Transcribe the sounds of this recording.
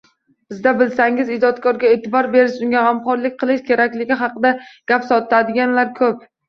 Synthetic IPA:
bɪzd̪abɪlsaŋɪzɪd͡ʒɒt̪kʰɒɾɡʲaet̪ʰɪbɒɾbe̞ɾɪʃʊŋɡʲahamqɒɾlɪk̚ʲqʰɨlˠɪʃkʲʰe̞ɾakʲlɪɡʲɪɦɑqɨd̪aɡ̥ʲapsɒt̪ʰad̪ɪɡʲanlaɾkʰɵp̚

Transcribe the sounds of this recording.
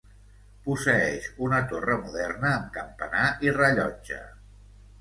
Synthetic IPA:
pusəɛʃunət̪orəmuðɛrnəːmkəmpənaʔirəʎɔd͡ʒə̰

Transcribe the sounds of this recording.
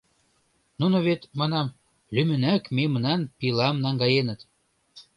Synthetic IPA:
nunoβet̪mɑnɑm | lymɘ̆nækmemənɑnpilɑmnɑŋɡɑjenə̆t̪

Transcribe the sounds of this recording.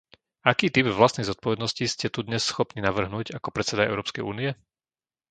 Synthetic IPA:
akiːt̪ibʋlast̪nɛjzɔt̪̚pɔʋɛd̪nɔsciscɛt̪ud̪ɲɛsːxɔpninaʋr̩ɦnuːɟakɔpɾɛt̪sɛd̪aɛ̰ʊɾɔːpskɛjṵːniɛ

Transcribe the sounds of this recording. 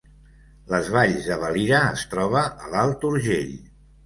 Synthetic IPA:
ləzβaʎzðəβəliɾəːst̪ɾɔβ̞əəlalˠt̪uɾʒeʎ

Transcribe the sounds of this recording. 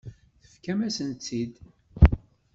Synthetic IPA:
θə̥fkæmæsənt͡s̪ːid̪

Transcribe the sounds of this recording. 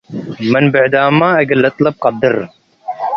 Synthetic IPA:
mɐnbɪʕd̪aːmːãːɐɡɐlɐt̪lɐb̚qɑd̪ɪɾ

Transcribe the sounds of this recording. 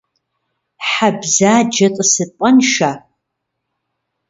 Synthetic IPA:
ħabzaːd͡ʒɐtʼɨsɨpʼanʃa

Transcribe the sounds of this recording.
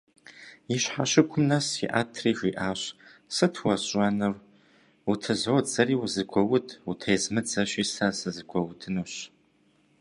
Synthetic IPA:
iɕħaɕɪkʷʰʊmnɐsḭʔa̰ːtʰriːxʷiːʔaːɕsɨtʰwɐɕʼɐnɨr | utʰɐzoːd͡zɐriːwuzɨkʷʰɔwʊtʰutʰejzmɨd͡zɐɕiːsasɐzɨkʷʰɔwʊtʰɨnuːɕ

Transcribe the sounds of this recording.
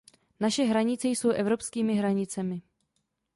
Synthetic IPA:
naʃɛɦɾaɲɪt͡sɛjso̞wʔɛvɾo̞pskiːmɪɦɾaɲɪt͡sɛmɪ

